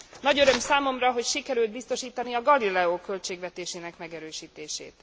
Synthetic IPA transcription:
nɒɟø̞ɾø̞msaːmo̞mrɒɦo̞cʃikɛɾyld̪bist̪o̞ʃiːt̪ɒniɒɡɒlilɛoːkø̞lt͡ʃeːɡʋɛt̪eːʃeːnɛkmɛɡɛɾøːʃiːt̪eːʃḛːt̪

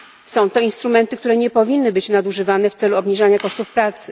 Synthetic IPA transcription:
sɔ̃w̃t̪ɔinst̪ɾumɛnt̪ɘkt̪uɾɛɲɛpɔvʲinːɘbɘt͡ɕnad̪uʐɘvanɛft̪sɛluɔbɲiʐaɲakɔʂt̪ufpɾat̪sɘ̥

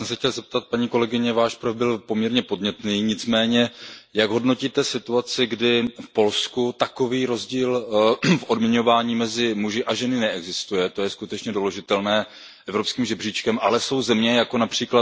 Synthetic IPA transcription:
sɛmsɛxcɛlzɛp̚t̪at̪̚paɲiːko̞lɛɡɪɲɛvaːʃpɾovbɪlpomɲɛɾɲɛpo̞dɲɛt̪niːɲɪt͡smɛːɲɛjaɡɦo̞dno̞ciːt̪ɛsɪt̪uat͡sɪɡdɪfpo̞lskut̪ako̞viːɾo̞zɟiːlfʔo̞dmɲɛɲo̞vaːɲiːmɛzɪmuʒɪʔaʒɛnɪnɛɛɡzɪst̪ujɛt̪o̞jɛskut̪ɛt͡ʃɲɛdoloʒɪt̪ɛlnɛː | ʔɛvɾo̞pskiːmʒɛbriːt͡ʃkɛmʔalɛso̞wzɛmɲɛjako̞napr̝̥iːkla

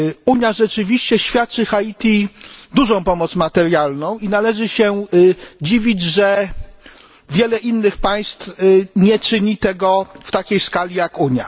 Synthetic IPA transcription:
uɲjaʐɛt͡ʂɘvʲiɕt͡ɕɛɕfʲjat̪̚t͡ʂɘxait̪ʲid̪uʐɔ̃w̃pɔmɔt̪smat̪ɛɾjalnɔ̃w̃inalɛʐɘɕɛ | d͡ʑivʲid͡ʑʐɛ | vʲjɛlɛʔinːɘxpaj̃st̪fɲɛt͡ʂɘɲit̪ɛɡɔft̪akʲejskalʲijakuɲja̰

